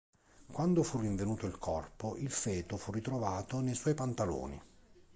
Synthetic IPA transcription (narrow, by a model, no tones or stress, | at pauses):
kwand̪ofurːiɱvenuːt̪oilkʰɔrpoʔilfɛːt̪ofurːit̪ɾovaːt̪onejswɔjpant̪alo̰ːnḭ